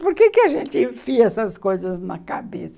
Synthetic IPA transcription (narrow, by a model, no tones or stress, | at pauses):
poɾkekɪaʒẽnt͡ʃ̪ɪĩfiɛsɐskojzɐznɐkabesɐ